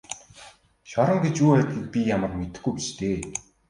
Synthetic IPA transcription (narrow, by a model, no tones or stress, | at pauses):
ʃɔɾɞ̆ŋɡet͡ɕuːæːt̪̚ɡʲĭk̚pʲijamə̆rmet̪ɘ̆xɡujpit͡ɕt̪ʰeː